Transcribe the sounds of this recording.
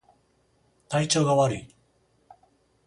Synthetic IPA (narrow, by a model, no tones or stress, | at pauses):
t̪ait͡ɕo̞ːɡaβaɾɯi